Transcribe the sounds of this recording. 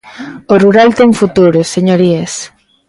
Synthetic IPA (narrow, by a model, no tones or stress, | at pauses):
oruɾalt̪ɛŋfut̪uɾʊseɲoɾies